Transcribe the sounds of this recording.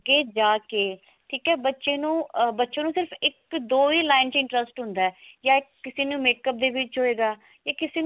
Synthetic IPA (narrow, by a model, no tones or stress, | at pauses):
ɡeːd͡ʒaːkeː | ʈʰiːkɛːbətːʃẽːnũːbətːʃẽːnũːsɪɾpʰɪkd̪oːiːlaːɪnt͡ʃɪ̃ɳʈɾəsʈɦʊ̃nd̪aːɛːjaːɪkːɪseːnũːmeːkəp̚d̪eːʋɪt͡ʃɦoːeːɡaː | jaːkɪseːn